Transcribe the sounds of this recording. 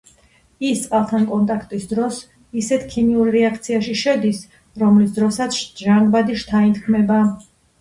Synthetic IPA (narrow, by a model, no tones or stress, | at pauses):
ist̪sʼqʼalˠt̪ʰankʼɔnt̪ʼakʰt̪ʼisd̪ɾɔs | isɛt̪ʰkʰiniuɾɾɛakʰt̪sʰiaʃiʃɛd̪is | ɾɔmlisd̪ɾɔsat̪sʰʃʒaŋɡbad̪iʃt̪ʰaint̪ʰkʰmɛba